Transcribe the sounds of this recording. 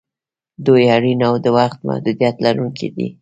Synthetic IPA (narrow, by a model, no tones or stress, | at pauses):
d̪ojaɽinawd̪əwaxt̪ma̰hd̪ud̪ijat̪laɾuŋkʰid̪ḭ